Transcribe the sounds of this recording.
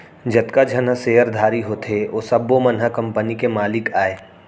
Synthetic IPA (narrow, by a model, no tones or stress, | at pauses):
d͡ʒɐt̪kad͡ʒʱɐnəseːəɾd̪ʱaːɾiɦot̪ʰeosɐbːomənɦəkɐ̃mpənikemaːlɪkaːeː